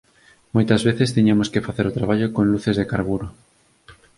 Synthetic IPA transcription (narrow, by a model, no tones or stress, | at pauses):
mojt̪ɐzβeθest̪iɲamoskefaθeɾot̪ɾaβ̞aʎokõŋluθezðekaɾβuɾo